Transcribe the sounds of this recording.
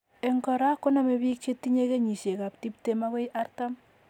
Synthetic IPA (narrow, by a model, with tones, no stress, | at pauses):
e˨ŋkɔ˨ɾa˦kːo˦na˨me˨βi˦k̚t͡ʃe˦ti˦ɲe˦ke˦ɲi˨ʃe˨ka˨p̚ti˦p̚te˦ma˦ke˦jʔa˦rtam